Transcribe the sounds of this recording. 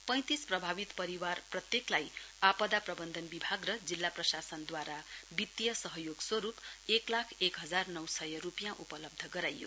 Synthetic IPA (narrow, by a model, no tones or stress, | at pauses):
pʌ̃j̃t̪isprʌbʱabit̪pʌɾiwarprʌt̪jeklajapʌd̪aprʌbʌnd̪ʱʌnbibʱaɡrʌd͡zilːaprʌsasʌnd̪waɾabit̪jʌsʌɦʌjoɡswʌɾupeklakʰekɦʌd͡zarnʌwsʌjʌrupjãʔupʌlʌb̚d̪ʱʌɡʌɾajːo̰